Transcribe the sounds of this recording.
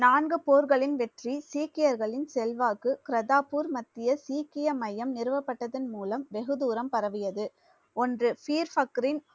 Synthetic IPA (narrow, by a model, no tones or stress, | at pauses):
naːnɡɯpoːɾɣɐɭɪnʋɛʈrisiːkɪjɐɾɣɐɭɪnsɛlʋaːkɯkɪɾɐðaːpuɾmɐt̪ːɪjɐsiːkɪjɐmɐjɐmnɪɾɯʋɐpːɐʈːɐðɯnmuːlɐmʋɛɣɯðuːɾɐmpɐɾɐʋɪjɐðɯ | ɔndrɯfiːɾfɐkːɾɪn